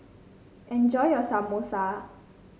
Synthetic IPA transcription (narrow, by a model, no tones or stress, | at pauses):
ʔɛ̃nd͡ʒɔjɔsamosa